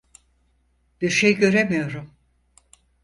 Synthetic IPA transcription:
b̥iɾʃejɟø̞ɾemijo̞ɾum

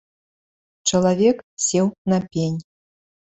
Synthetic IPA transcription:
t͡ʂɐlˠavʲɛksʲɛwnɐpʲenʲ

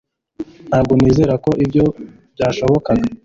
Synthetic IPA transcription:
nhaːbɡoniːze̞ːɾako̞ʔibɟo̞ | b̥̚ɟaːʃo̞βo̞kaɡa

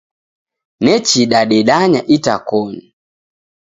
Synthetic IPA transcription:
nɛt͡ʃiɗaɗɛɗaɲaʔita̰kɔni

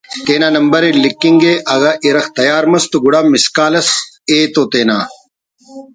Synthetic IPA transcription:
t̪eːnaːnɐmbɐɾelikːiŋɡeʔɐɣaʔiɾɐxt̪ɐjaːɾmɐst̪uɡuɽɐmiskaːlɐs | eːt̪oːt̪eːna̰ː

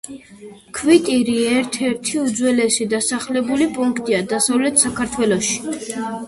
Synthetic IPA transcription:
kʰvit̪ʼiɾiɛɾt̪ʰɛɾt̪ʰiud̪zwɛlɛsid̪asaχlɛbulipʼuŋkʰt̪ʼiad̪asavlɛt̪ʰsakʰaɾt̪ʰwɛlˠɔʃi̥

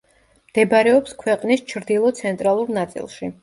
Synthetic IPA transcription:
md̪̥ɛbɾɛɔpskʰwɛqʼnist͡ʃʰɾd̪ilˠɔt̪sʰɛnt̪ʼɾalˠuɾnat̪sʼḭlˠʃi

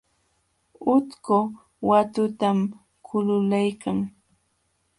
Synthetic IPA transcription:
ʊt̪kʊ | wat̪ʊt̪am | kʰʊlʊlajkʰaŋ

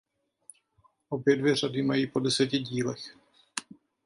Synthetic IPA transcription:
ʔobjɛdvjɛr̝adɪmajiːpo̞dɛsɛcɪɟiːlɛx

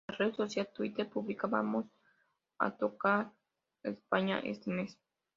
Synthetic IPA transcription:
ared̪sosjalt̪uit̪eɾpuβlikaβa̰mos | a̰t̪oka | espaɲa̰ʔḛst̪emes

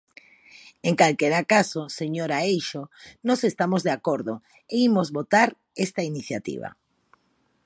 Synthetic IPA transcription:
eŋkalkeɾakasoseɲoɾaejʃonɔsest̪amozðeakoɾðo | eimozβot̪aɾ | est̪ainiθjat̪ḭβa̰

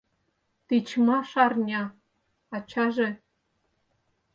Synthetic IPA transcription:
t̪it͡ɕmɑʃɑrnʲɑ | ɑt͡ɕʰɑʒĕ

